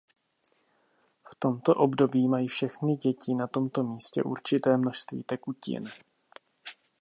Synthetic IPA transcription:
ft̪o̞mt̪o̞ʔo̞bdo̞biːmajifʃɛxnɪɟɛcɪnat̪o̞mt̪o̞miːscɛ̰ʔṵɾt͡ʃɪt̪ɛːmno̞ʃst̪vḭːt̪ɛkucɪ̰n

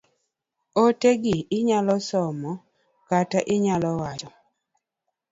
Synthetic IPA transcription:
oteɡɪːɲalɔsɔmɔ | kataʔɪɲalɔwat͡ʃɔ

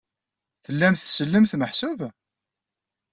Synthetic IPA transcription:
θəlːæmθsəlːəmθməħsʊv

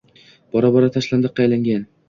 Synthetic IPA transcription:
b̥ɒɾabɒɾat̪ʰaʃland̪ɨqʰɑjlaŋɡʲan

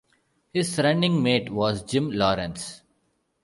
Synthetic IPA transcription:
hɪzɾɛ̃ɳɖɪ̃ŋmeːʈʋɔːzd͡ʒɪ̃mlɔːɾə̃ns

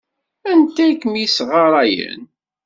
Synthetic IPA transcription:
ænt̪ækːəmjisʁɑɾˤɑjə̰n

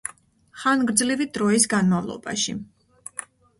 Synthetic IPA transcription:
χanɡɾd̪zlivid̪ɾɔis̬ɡanmavlˠɔ̰ba̰ʃḭ

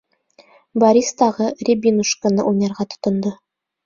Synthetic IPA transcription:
bɐɾʲist̪ɑʁɤrʲibʲinuʃkɤ̆nɤʔujnɑɾʁɑt̪ŏ̥t̪ŏnd̪ɤ

